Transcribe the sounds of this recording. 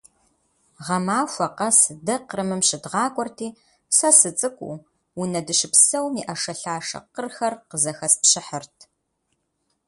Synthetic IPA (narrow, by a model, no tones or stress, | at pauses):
ʁɐmaːxʷɐqɐsɨdɐqrɨmɨmɕɪdʁɑːkʷʼɔrtʰiː | sɐsɨt͡sʼɨkʷʼṵ | wunɐdɨʃɪpsɐwmiːʔɐʂɐɬaːʂɐ̰qərxɐrqəzɐxɐspɕɪħərtʰ